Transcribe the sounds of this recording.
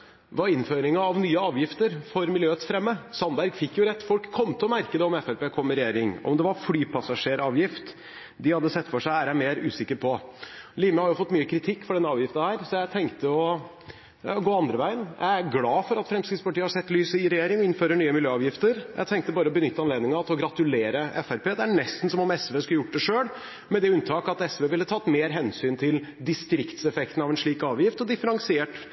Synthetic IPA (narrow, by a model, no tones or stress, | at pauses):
ʋɑɾɪnføːɾɪŋəɑʋnyːəɑːʋjɪft̪əɾfɔɾmɪljøːət̪sfɾɛmːəsɑnbæɾɡfɪkːjʊɾɛt̪ːfɔlkʰːɔmːt̪ʰɛlɔmæɾkəd̪ɛɔmɛfɛlpeːkʰɔmːəɾɛjeːɾɪŋɔ̰md̪ɛʋɑɾflyːpʰɑsɑʂeːɾɑːʋjɪft̪ | d̪ɪhɑd̪ːəsɛt̪ːfɔʂæɪæːɾæmeːɾʉ̰ːsɪkːəɾpʰɔliːməhɑɾjʊfɔt̪ːmyːəkʰɾɪt̪ʰɪkːfɔɖɛnːəɑːʋjɪft̪nhæːɾsɔjæɪt̪ʰɛŋkt̪əɔ | ɡoːɑnd̪ɾəʋæɪənjæ̰ɪæɾɡlɑːfɔɾɑt̪fɾɛmskɾɪt̪spɑʈiːəhɑsɛt̪ːlyːsəɪɾɛjeːɾɪŋɔɪnføːɾəɳyːəmɪljøːɑːʋjɪft̪əɾjʔæ̰ɪt̪ʰɛŋk̚t̪əbɑːɾəɔbənʏt̪ːəɑnleːd̪nɪŋɑt̪ʰɪlɔɡɾɑt̪ʉleːɾəʔɛfæɾpeːd̪ɛæɳɛst̪n̩sɔmɔmɛsʋeːskʉəjʊʈ̚ːd̪ɛʂøːl | mɛd̪ɛʉnt̪ʰɑːkɑt̪ɛsʋeːʋɪlːət̪ʰɑːt̪meːɾɦɛnsyːnt̪ʰɪld̪ɪst̪ɾɪkt̪sɛfɛkt̪n̩ɑʋɛnʂɭiːkɑːʋjɪft̪ɔd̪ɪfəɾɑŋsɪeːʈ